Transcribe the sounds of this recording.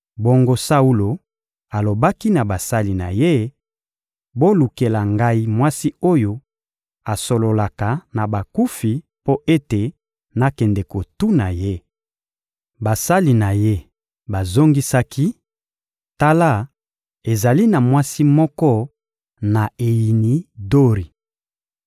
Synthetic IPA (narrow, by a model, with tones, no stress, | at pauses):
bo˦ŋɡo˦sa˦u˦lo˨ | a˨lo˨ba˦ki˦na˨ba˨sa˦li˨na˨je˦ | bo˦lu˨ke˨la˨ŋɡa˦i˦mwa˦si˦o˦jo˦ | a˨so˨lo˨la˨ka˨na˨ba˨ku˦fi˨ | po˦ʔe˦te˨ | na˦kɛ˨ndɛ˨ko˨tu˦na˨je˦ | ba˨sa˦li˨na˨je˦ | ba˨zo˦ŋɡi˦sa˦ki˦ | ta˦la˦ | e˨za˨li˦na˨mwa˦si˦mɔ˦kɔ˦ | na˨e˨ji˨ni˨do˦ʁi˨